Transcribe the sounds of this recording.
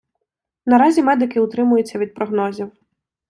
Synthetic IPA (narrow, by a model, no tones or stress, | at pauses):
nɐɾɑzʲimɛd̪ɪkɪʊt̪ɾɪmʊjʊt͡sʲːɐʋʲid̪̚pɾɔɦnɔzʲiw